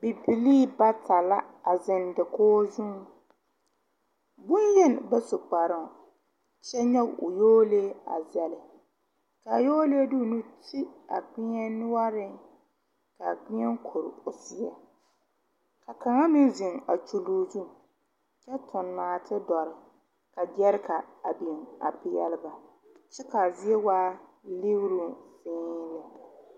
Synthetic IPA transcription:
bi˨bi˨liː˦˨ba˦tʰa˨la˦a˨zɪ˨ndɪ˨koː˦zʊ˦ŋ | bʊ˦njɛ˦n˨bɛ˦sʊ˨k͡pa˨ɾɪ˨ | t͡ʃɛ˦ɲɔ˦ɡʊ̰˨joː˦leː˦a̰˨zɛ˨lɪ˨ | ka˨joː˦le˦du˦˨nu˦ti˦a̰˨ɡ͡bɪ˦ɲɛ˦nʊ˦wa˦ɾɪ˦ŋ | ka˨ɡ͡bɪ˦ɛ˦ŋ˦kʰo˨ɾʊ˨sɪ˨ɛ̰˨ | ka˨ka˨ŋa˦mɪ˦zi˨ŋa̰˨t͡ʃu˨luː˨zu˦˨m | t͡ʃɛ˦tʰʊ˨nːaː˨tʰɪ˦dɔ˨ɾɪ˨ | ka˨ɡɛ˦ɾka˨a˨bi˨ŋa̰˨pɪ˨jɛ̰˦lɪ˦ba˨ | t͡ʃɛ˦ka˨zɪ˦ɛ˦waː˦ | li˦wɾu˦˨fɪ̃ː˦ɾɛ˦

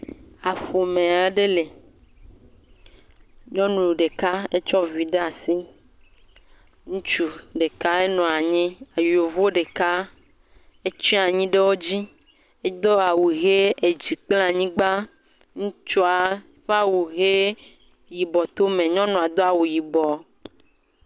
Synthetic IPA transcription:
a˨ɸo˨mẽ˨a˨˦ɖe˦le˨ | ɲɔ̃˦nũ˨ɖe˨ka˦e˦t͡ʃɔ˦vi˨ɖe˦a˨si˦ | ŋũ˦t͡ʃu˨ɖe˨ka˦e˦nɔ̃˨a˨ɲĩ˦a˨ji˨o˨vu˦o˦ɖe˨ka˦ | e˦t͡ʃĩ˦a˨ɲĩ˦ɖe˦wo˦d͡ʑi˦ | e˦d̪ɔ˦a˨wu˨ɣe˦e˨d͡ʑi˨k͡pl̃ã˨ɲĩ˦ɡ͡ba˦ | ŋũ˦t͡ʃu˦a˨ | ɸa˦wu˨ɣe˦ | ji˨bɔ˨t̪o˦mẽ˨ɲɔ̃˦nɔ̃˨a˨d̪o˦a˨wu˨ji˨bɔ˨

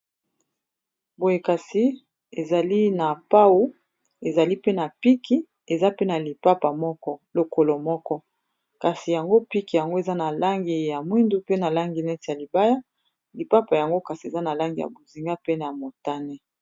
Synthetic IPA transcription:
bo˨je˨ka˨si˦ | e˨za˨li˦na˨pa˦wu˦ | e˨za˨li˦pe˦na˨pi˦kʰi˦ | e˨za˦pe˦na˨li˨pa˦pa˨mɔ˦kɔ˦lo˨ko˨lo˨mɔ˦kɔ˦ | ka˨si˨ja˨ŋɡo˦pi˦ki˨ja˨ŋɡo˦e˨za˦na˨la˦ŋɡi˨ja˨mwi˦ndu˦pe˦na˨la˦ŋɡi˨nɛ˦ti˨ja˨li˨ba˦ja˦ | li˨pa˦pa˨ja˨ŋɡo˦ka˨si˨e˨za˦na˨la˦ŋɡi˨ja̰˨bo˨zi˨ŋɡa˦pe˦na˨mo˨ta˦ne˦

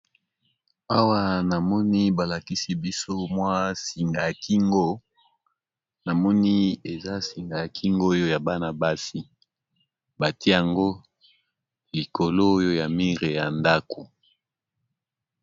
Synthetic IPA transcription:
a˦wa˦na˨mɔ˦ni˦ba˨la˨ki˦si˦bi˦so˦mwa˦si˨ŋɡa˨ja˨ki˦ŋɡo˦ | na˨mɔ˦ni˦e˨za˦si˨ŋɡa˨ja˨kʰi˦ŋɡo˦jo˦ja˨ba˦na˨ba˦si˦ | ba˨tje˦ja˨ŋɡo˦ | li˨ko˨lo˦jo˦ja˨mi˦ʁe˨ja˨nda˦ko˨

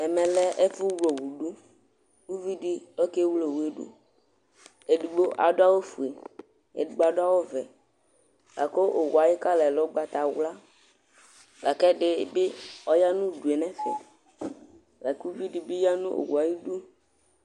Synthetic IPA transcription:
ɛ˨mɛ̃˨lɛ˦ʔe˦fu˦wlo˨wu˨ɖu˦ | wu˦vi˦di˦lɔ˦ke˦wlo˨wu˨e˨ɖṵ˦ | e˨ɖu˨ɡ͡bo˦ʔa̰˨do˦a˦wo˦fu˨e˨ | ḛ˨du˨ɡ͡ba˨ɖo˦a˦wo˦vɛ˨ | la̰˨ko˦ʔo˨wa˨ji˦ka˦lɛ˨lɔ˦ɡ͡ba˨t̪a˨wla˦ | la˨kɛ˦ɖe˦be˦ɔ˦ja˦nũ˦ɖu˨e˨nɛ̃˦fɛ̰˨ | la˨ku˦vi˦di˨be˦ja˦nṵ̃˦ʔo̰˨wu˨a˨ji˦du˦

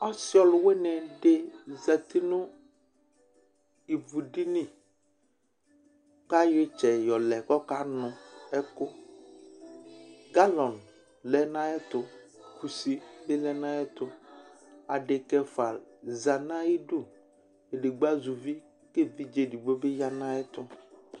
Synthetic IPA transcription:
ɔ˦sɪ˦ɔ˨lʊ˨wɛ˦nɛ˨de˦za˨t̪i˦nʊ˦ | i˨vu˨di˦ni˦ | ka˦jɪ˦t͡ʃɛ˨jɔ˨lɛ˨kɔ˦ka˦nʊ̃˨ɛ˦kʊ˦ | ɡa˦lɔ˨n | lɛ˨nã˦ɛ˦t̪ʊ˨ | ku˨si˦lɪ˦lɛ˦nã˦ɛ˦t̪ʊ˨ | a˨ɖɪ˨kɛ˦fa˨za˨nã˦i˦dʊ˦˨ | e˨de˨ɡ͡ba˦zu˨vi˦ | ke˦vi˦d͡ʒe˨di˨ɡ͡bo˦be˦ja˦nã˦ɛ˦tʊ˦

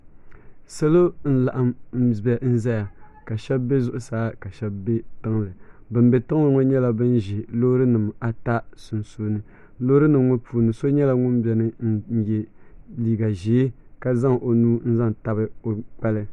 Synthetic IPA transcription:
sa˦lo˦n̩˦la˨ʔa˨m̩˦˨bɛ˨n̩˦zɛ˦ja˨ka˨ʃɛ˦bbe˦zʊ˦ʔʊ˦saː˦ka˨ʃɛ˦bbe˦tɨ˦ŋlɨ˨bɨ˨mbe˨tɨ˦ŋ˦lɨ˨ŋo˦ɲɛ˦la˨bɨ˦n˦ʒɪ˨loː˦ɾɨ˦nɨ˨ma˨ta˦sʊ˨nsuː˦nɨ˦ | loː˦ɾɨ˦nɨ˨mŋo˦puː˨nɨ˨so˦ɲɛ˦la˦ŋʊ˦mbɛ˨nɨ˦n̩˦jɛ˨liː˨ɡa˨ʒeː˨˦ka˦za˦ŋ˨ʔo˨nuː˦n̩˦za˦ŋ˨ta˦bɨ˦o˨k͡pɛ˦lɨ˦

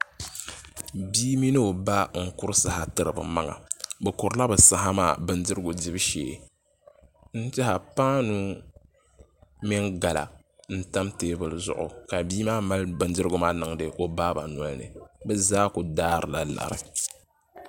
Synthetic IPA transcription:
biː˦mi˦nɨ˦o˨ba˦ŋ̩˦kʊ˦ɾɨ˦sa˨ha˨tɨ˦ɾɨ˨bɨ̰˨ma˦ŋa̰˨bɨ˨kʊ˨ɾɨ˦la˦bɨ˨sa˦ɦa˦ma̰ː˦˨bɨ˦ndɨ˦ɾɨ˦ɡʊ˨dɪ˦bʃḛː˨ | n̩˦tɪ˦ɦa˨paː˦nu˦ | mɛ˦ŋɡa˨la̰˨ | n̩˦ta˦mteː˦bɨ˨lɨ˨zʊ̰˦˨ʔʊ̰˨ka˨biː˦maː˦ma˦lbɨ˨ndɨ˦ɾɨ˦ɡʊ˦maː˦nɨ˨ŋ˦dɨ˨ʔo˦baː˦ba˨nwɔ˦lnɨ̰˨bɨ˦zaː˦kʊ˨daː˦ɾɨ˨la˨la̰˨ɾɨ̰˨

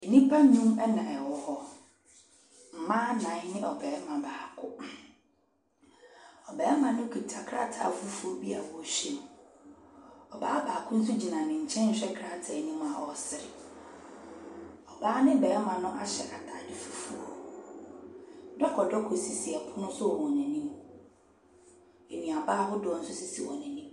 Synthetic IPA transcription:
e˨nĩ˦pʰa˦ɲũ˦mɛ˦nã˨ɛ˨wɔ˨hɔ˦ | m̩˨mãː˦nã˨˦nɪ̃˦ʔɔ˨bɛː˨˦mã˨baː˨kʰʊ˦ | ɔ˨bɛː˨˦mã˨nʊ̃˦kʰi˨tʰa˨kʰɾa̰˦tʰa̰˨fu˦fu˨o˨bi˦a˨wɔ˨ɕᶣi˦m̃˨ | ɔ˨baː˦baː˨kʰʊ̃˦n̩˦s̬u˦d͡ʑi˨nã˨nɪ̃˨ɲ̩˨t͡ɕʰɛ̃˦ɲ̩˨ɕᶣɛ˦kʰɾa˦tʰa˨e˨nĩ˦m˦a˨ɔ˨sɪ˨ɾɪ̰˨ | ɔ˨baː˦nɪ̃˦bɛ˨˦ɛ˦mã˨nʊ̃˦ʔa˦ɕɛ˨ʔa˨tʰa˨dɪ˦fu˦fu˦o̰˦˨˦ | dɔ˦kʰɔ˨dɔ˦kʰo˨si˨si˨ɛ˨pʰʊ˦nʊ̃˦sʊ˦ɔ˨wɔ˨nɛ̃˨nĩ˦m | e˨nĩ˨a˨baː˦ɦʊ˦dɔ˨ɔ˨n̩˦sʊ˦si˦si˨wɔ̰˨nɛ̃˨nĩ˦m

